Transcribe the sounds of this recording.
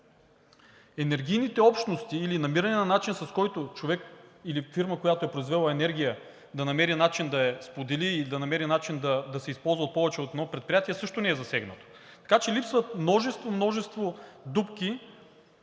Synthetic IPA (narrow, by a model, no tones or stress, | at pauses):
ɛnɛɾɡʲijnit̪ɛɔpʃt̪nost̪iːlinɐmiɾɐnɛnɐnat͡ʃinsɐskɔjt̪ot͡ʃovɛkilifiɾməkojat̪oɛpɾoizvɛlˠɐɛnɛɾɡʲijə | d̪ɐnɐmɛɾinat͡ʃind̪ɐɛspod̪ɛliːld̪ɐnɐmɛɾinat͡ʃind̪ɐd̪ɐsɛispɔlˠzvəot̪̚pɔvɛt͡ʃɛot̪ɛnɔpɾɛt̪̚pɾijat̪iɛsɤʃt̪onɛɛzɐsɛɡnət̪o̥ | t̪ɐ̥kat͡ʃɛlipsvət̪mnɔʒɛst̪vomnɔʒɛst̪vod̪upkʲi